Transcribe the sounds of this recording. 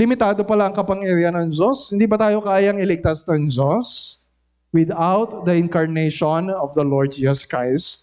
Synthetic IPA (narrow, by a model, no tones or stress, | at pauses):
lɪmɪt̪aːd̪o̞pɐlaɐŋkɐpɐŋjɐɾiɐnɐŋzoshɪnd̪iːbɐt̪aːjo̞kaːjɐŋɪlɪɡ̚t̪asnɐŋzos | wɪd̪awt̪̚d̪ɐʔɪŋkɐɹnejʃonɔvd̪ɐloɹd̪̚d͡ʒiːsɐskɹajst̪̚